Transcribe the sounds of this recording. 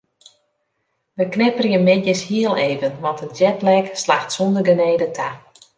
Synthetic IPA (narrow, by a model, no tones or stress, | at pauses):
ʋəknɪpərjəmɪtjəshiəlˠeːvənʋɑntɦət̚d͡ʒɛtlɛkslaxtsɔndərɡəneːdətʰa